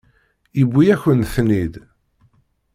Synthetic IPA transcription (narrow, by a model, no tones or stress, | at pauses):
jəbʷːijæçənθnid̪